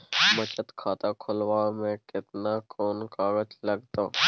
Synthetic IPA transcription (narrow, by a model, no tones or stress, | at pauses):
mət͡ʃət̪kʰaːt̪akʰʊlwaːmẽkɪt̪nakʰoːnkaːɡəd͡ʒləɡt̪aː